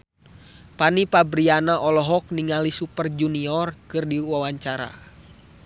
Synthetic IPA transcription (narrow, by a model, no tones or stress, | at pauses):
panipabɾianaʔɔlɔɦɔk̚niŋalisupərd͡ʒuniɔrkɨrdiwawaɲt͡ʃaɾa̰